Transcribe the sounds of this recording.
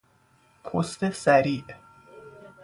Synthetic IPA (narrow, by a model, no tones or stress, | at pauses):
kʰost̪esæɾiːʔ